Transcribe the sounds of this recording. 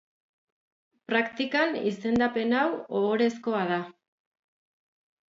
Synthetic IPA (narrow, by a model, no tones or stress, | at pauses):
pɾakt̪ikanise̞nd̪ape̞nawooɾe̞sko̞að̞a